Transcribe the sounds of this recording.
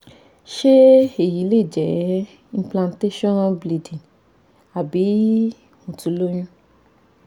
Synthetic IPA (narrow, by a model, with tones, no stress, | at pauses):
ʃe˦e˦˨ji˨˦le˦˨d͡ʒɛ˨˦ | ĩ˧plã˧nte˦ʃɔ̃˦nbli˨dĩ˨n | a˨bi˨˦ | hũ˨tũ˨˦lo˦j̃ũ˦